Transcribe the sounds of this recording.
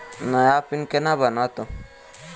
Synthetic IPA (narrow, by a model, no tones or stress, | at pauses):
najaːpɪnkenabənat̪o